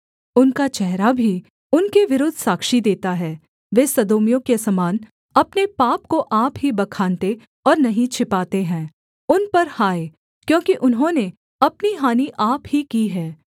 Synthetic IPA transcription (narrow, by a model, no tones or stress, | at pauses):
ʊnkat͡ʃɛɦɾabʱi | ʊnkeʋɪɾʊd̪ʱsaːkʃid̪eːt̪aɦɛː | ʋeːsɐd̪oːmijõkesɐmaːn | ɐpnepaːp̚koʔaːpɦibɐkʰaːnt̪e | ɔːɾnɐɦĩt͡ʃʰɪpaːt̪eɦɛ̃ː | ʊnpɐɾhaːe | kjõːkiʔʊnɦõne | ɐpniɦaːniʔaːpɦikiɦɛː